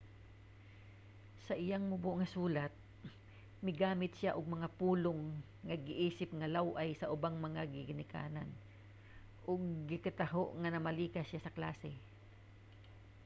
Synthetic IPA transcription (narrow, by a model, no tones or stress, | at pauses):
sɐʔɪjaŋmʊboʔŋɐsuːlɐt̪̚ | mɪɡaːmɪt̪ʃɪaʔʊɡ̚mɐŋapuːloŋː | ɐɡɪʔiːsɪp̚ŋɐlawʔajsɐʔʊbaŋmɐŋaɡɪɡɪnɪka̰ːnan | ʔoɡ̚ːɪkɐt̪ɐɦoʔŋɐnɐmɐliːkɐsjasɐkla̰ːsɛ